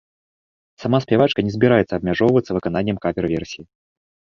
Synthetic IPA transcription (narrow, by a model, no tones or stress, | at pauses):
samaspʲavat͡ʂkɐnʲɛzʲbʲɪɾajɛt̪sɐːbmʲaʐɔvvət̪sɐvɨkananʲːɛmkamʲɛɾɨvʲɛrsʲiji